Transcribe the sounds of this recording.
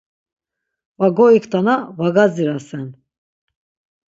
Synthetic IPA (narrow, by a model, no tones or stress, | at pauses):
vaɡɔikʰt̪ʰanavaɡaziɾasɛn